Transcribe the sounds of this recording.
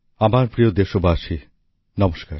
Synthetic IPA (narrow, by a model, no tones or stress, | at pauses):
amaɾpɾijod̪eʃobaaʃʰi | nɔmoʃkaɾ